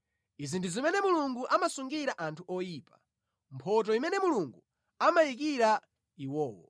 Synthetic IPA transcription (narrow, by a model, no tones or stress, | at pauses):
izindizimɛnɛmuluŋɡuʔamasuŋɡiɾaʔantʰuɔjiːpḁ | mpʰɔt̬ɔimɛnɛmuluŋɡu | amajik̬iɾa | iwɔːwɔ̰